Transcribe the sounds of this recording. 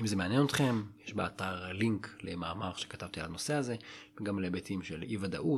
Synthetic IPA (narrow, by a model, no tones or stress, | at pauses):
imzemeanjenot̪χe̞mjeʃbeataʁliŋklemaːmaʁʃekat̪avt̪ialano̞seaze̞veɡamlebet̪imʃelivad̪a̰ʔu